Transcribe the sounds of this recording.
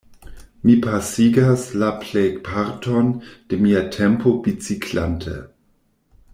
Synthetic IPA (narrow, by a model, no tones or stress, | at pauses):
mipʰasiɡaslaplejpʰaɾtʰo̞nd̥emiatʰempo̞vit͡sikʰla̰ntʰḛ